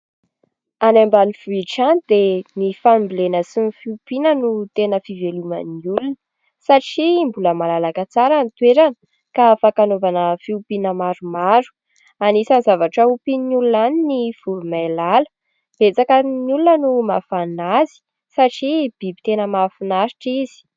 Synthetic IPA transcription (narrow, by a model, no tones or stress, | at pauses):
anambalifuiʈ͡ʂanid̪enifambilenəsinifiupinənut̪enəfivelumə̰nulunə̥ | saʈ͡ʂimbuləmalalakat͡saɾanit̪weɾanə̥ | kafakanovanəfiupinəmaɾumaɾu̥ | anisanizavaʈ͡ʂəupininulunaninifuɾumajlalə̥ | b̥et͡sakənulunənumafanazi̥ | saʈ͡ʂib̥ibit̪enəmafinaɾi̥ʈ͡ʂiz̥i̥